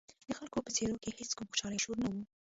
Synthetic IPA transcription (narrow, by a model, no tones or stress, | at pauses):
d̪̥əxalkopət͡seɾokeheskumxo̥ʃɑləjʃoɾnawu